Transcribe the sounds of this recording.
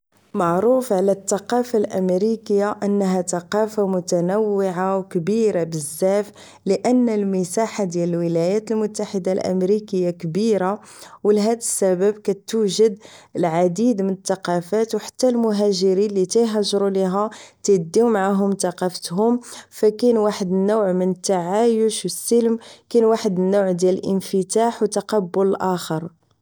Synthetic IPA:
maʕɾufʕalæt̪ːɑqɑfalʔə̰mɾikəjːaʔənːɦæt̪ɑqɑfamʊt̪ænæwːəʕawkbiɾabəzːæf | ləʔənːəlməsaħad̪jæləlwəlæjæt̪əlmʊt̪ːaħəd̪alʔə̰mɾikəjːakəbiɾa | wlɦæd̪əsːæbəbkæt̪ːuʒəd̪əlʕad̪id̪mənət̪ːɑqɑfæt̪wħḁt̪ːælmʊɦæʒəɾinlit̪æjɦəʒɾuliɦæt̪əd̪ːiwmaʕaɦʊmt̪ɑqɑfət̪ɦʊmfækænwaħəd̪ənːowʕmənət̪ːaʕajuʃwəsːəlmkænwaħəd̪ənːowʕd̪jæləlʔənfət̪aħwt̪ːɑqɑbːʊləlʔæxəɾˤ

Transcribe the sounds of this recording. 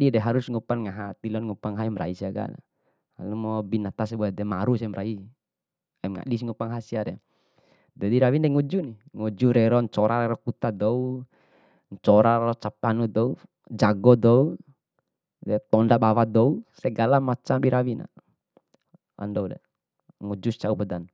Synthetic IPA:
didɛɦaɾusŋupanŋaɦat̪ilɔnŋupaŋɦaimɾa̰isiaɡa̰na̰ | ha̰lumɔbinat̪as̬ɛbɔadɛmaɾusɛmɾʔai | amŋa̰ɗis̬iŋupaŋɦasiaɾɛ | d͡ʒadiɾawindɛŋud͡ʒuniŋud͡ʒuɾɛɾɔɲt͡ʃɔɾaɾɛɾɔkut̪adɔu | ɲt͡ʃɔɾaɾɔt͡ʃapanud̪ɔu | d͡ʒaɡɔd̪ɔu | dɛt̪ɔndabawad̪ɔusɛɡalamat͡ʃambiɾawina̰ | a̰ndɔudɛ̰ | ŋud͡ʒust͡ʃaupədan

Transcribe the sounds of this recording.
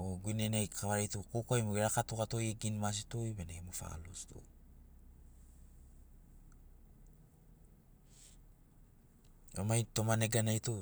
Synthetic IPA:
oɡuinenajkʰaβaɾejtukokoajmuɡeɾakatokato̞jeɡinmas̬itojbeneemufa̰lusto̰ | omajto̞maneɡanajto

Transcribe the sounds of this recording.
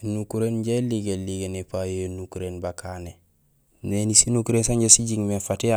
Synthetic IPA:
nukuɾenɟeliɡeliɡenepajeonukuɾenbakʰane | nenisinukuɾensaɲɟesiɟiŋmefatia

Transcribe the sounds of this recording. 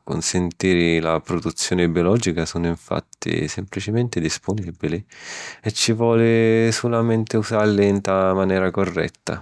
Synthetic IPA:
ko̰nsent̪iːɾɪlapɾod̪ut̪sːjoːnɪbjolɔd͡ʒikasoːnʊiɱfa̰t̪ːḭsemplit͡ʃɪment̪ɪd̪ispʊnibiliɛt͡ʃːivwɔːlɪsulament̪ɪuzaɾlint̪amanjɛːɾakorːɛ̰t̪ːa̰

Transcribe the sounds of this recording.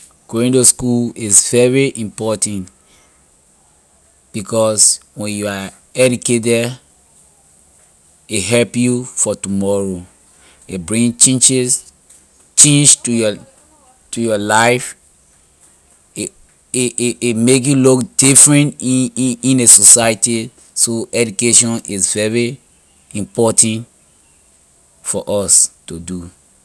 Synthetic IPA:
ɡ̥ĩndoskulizvɛɹiʔĩmpɔtãnt | b̥ikɔswɛ̃njua | ɛd͡ʒuket̬ɛ | eɦɛlpjufɔtumɔɹo | ebɹĩŋt͡ʃẽt͡ʃz | t͡ʃẽnd͡ʒtujɔ | tujɔlaɪf | emek̬julukd̥ifɹɛ̃ntiĩnesosajti | soʔɛd͡ʒukeʃɔ̃nizvɛɹi | ĩmpɔtãnt | fɔʔɔstudu

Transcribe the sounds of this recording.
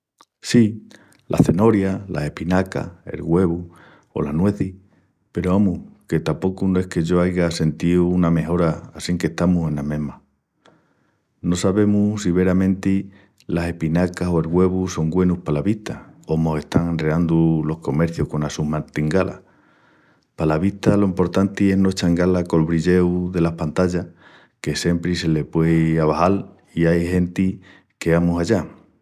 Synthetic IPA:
si | lʔa̰θe̞no̞ɾjala̰se̞hpinaka̰e̞̰lɣwe̞βu | o̞̰lanwe̞θi | pe̞ɾoamuhke̞t̪apo̞kunoe̞hke̞ʝo̞ajɣase̞nt̪iuuname̞ɦo̞ɾaasiŋke̞ht̪amusẽ̞namẽ̞ɦma | no̞saβe̞musiβe̞ɾamẽ̞nt̪i | lase̞hpinakasoe̞lɣwe̞βuso̞ŋɡwe̞nupalaβiht̪ao̞mo̞se̞ht̪aŋenreand̪ulo̞hko̞me̞ɾθjohko̞nasumat̪iŋɡalʔa̰ | palaβiht̪alo̞impo̞ɾt̪ant̪ie̞ɦnwe̞t͡ʃaŋɡalako̞lβɾiʎe̞wðe̞lahpant̪aʎa | ke̞se̞mpɾise̞le̞pwe̞aβahal | iajhe̞nt̪i | ke̞amusaʎa

